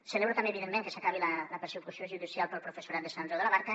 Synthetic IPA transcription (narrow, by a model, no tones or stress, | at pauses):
səleβɾot̪ambeːβiðemːẽŋkəsakaβilalapəɾsekusjoʒuðisjalˠpəlˠpɾufesuɾat̪̚d̪əsanʒoðəlaβaɾkɐ